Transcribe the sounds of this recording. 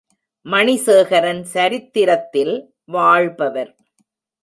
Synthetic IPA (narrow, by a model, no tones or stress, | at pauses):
mɐɳiseːɣɐɾɐnsɐɾɪt̪ːɪɾɐt̪ːɪl | ʋaːɻbɐʋɐɾ